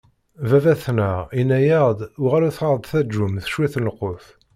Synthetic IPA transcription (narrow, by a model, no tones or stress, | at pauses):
vævæθnəʁinːæjəʁd̪ʊʁæɾuθəɾˤd̪ˤθæd͡ʒːumθʃwiθnəqːoθ